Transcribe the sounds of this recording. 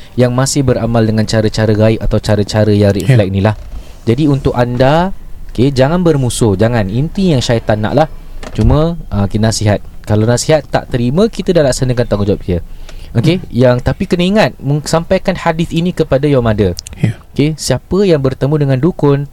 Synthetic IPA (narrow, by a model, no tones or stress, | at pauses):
jaŋmãsɪhbəɾamaldəŋant͡ʃaɾət͡ʃaɾəɡaɪk̚at̪awt͡ʃaɾət͡ʃaɾəjaŋriflɛk̚nĩlah | d͡ʒadiunt̪ʊkandaoked͡ʒaŋãnbərmusʊhd͡ʒaŋanint̪ijaŋʃajt̪ana̰ʔlah | t͡ʃumə̃əkit̪nasiɦat̪̚kalawnasiɦat̪ːa̰ʔt̪əɾimə̃kit̪adahlaksanəkant̪aŋud͡ʒap̚iəokejaŋt̪apikənəiŋat̪̚məŋsampajkanhadɪθinĩkəpadajamãdəokesiapəjaŋbərt̪əmũdəŋãndukʊn